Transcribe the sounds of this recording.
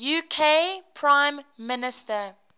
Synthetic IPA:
juːkʰeːpʰɹãɪ̃mːɪnɪstə

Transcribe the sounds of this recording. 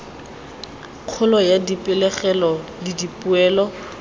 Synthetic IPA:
q͡χʰʊlɔjadipʼɪlɛχɛlɔdidipʼʊɛːlɔ

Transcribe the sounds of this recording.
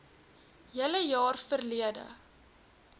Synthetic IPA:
jələjɑːrfərliədə̰

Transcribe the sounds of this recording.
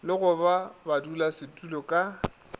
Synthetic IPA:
lɪɣʊbabadulasɪtʼulɔkʼa

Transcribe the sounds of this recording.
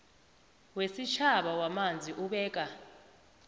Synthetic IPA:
wesit͡ʃʰaɓawamand͡zʱiʔuɓɛːk̬ʼa

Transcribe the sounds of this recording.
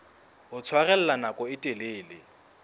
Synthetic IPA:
ʊt͡sʰwaɣɛl̩lanakʼɔɪtʼeleːlɪ

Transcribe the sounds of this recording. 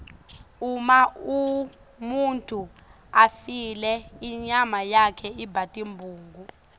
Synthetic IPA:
umau | muntʼu | afilɛiɲamajakʰɛibʱatʼimbʱuːŋɡu

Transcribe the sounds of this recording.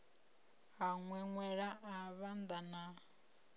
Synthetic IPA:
aŋwɛŋwɛɺaʔaβand̪ana

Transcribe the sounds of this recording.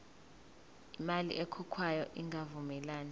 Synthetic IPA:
imalḭʔɛkʰukʰwajɔ̰ʔiŋɡʱavumɛlaːna

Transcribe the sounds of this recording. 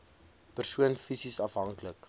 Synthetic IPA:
pərsuənfisisɐfɦɐŋklək

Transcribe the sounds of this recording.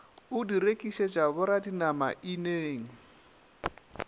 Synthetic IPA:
ʊdiɾekʼiʃed͡ʒaβʊɾadinama̰ʔineːŋ̩

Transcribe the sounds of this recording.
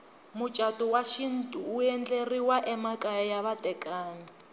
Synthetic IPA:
mut͡ʃʼatʼɔwaʃin̩tʼuːɛnd͡ɮeriwaʔɛmakʼajɛjaβatʼɛkʼaːni

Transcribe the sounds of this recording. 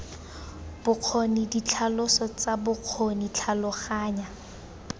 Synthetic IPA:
b̥ʊq͡χʰonidit͡ɬʰalʊsɔt͡sabʊq͡χʰonit͡ɬʰalʊχaːɲa

